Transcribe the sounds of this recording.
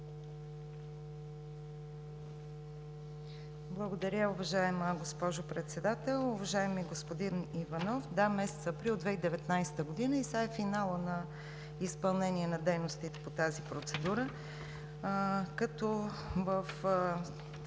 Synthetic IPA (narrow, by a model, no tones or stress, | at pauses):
blˠəɡod̪ɐɾʲjəʊvɐʒaɛməɡospɔʒʊpɾɛt̪sɛd̪at̪ɛlˠʊvɐʒaɛmiɡospod̪inivɐnɔfd̪amɛsɛ̥t̪sɐːpɾilˠd̪vɛid̪ɛvɛt̪najsɛ̥t̪əɡod̪inəisaɛfinalˠənɐ | ispɐlˠnɛniɛnɐd̪ɛjnost̪it̪ɛ̥pot̪azipɾot̪sɛd̪uɾə | kɐt̪ɔ | vəf